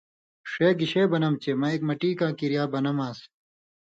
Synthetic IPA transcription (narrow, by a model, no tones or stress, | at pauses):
ʂeːɡiɕeːbɐnɐmt͡ɕemɐek̚mɐʈiːkãːkiɾijaːbɐnɐmaːs